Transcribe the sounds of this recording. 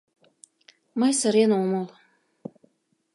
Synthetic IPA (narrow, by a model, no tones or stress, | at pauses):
mɤjsə̆ɾenomɤl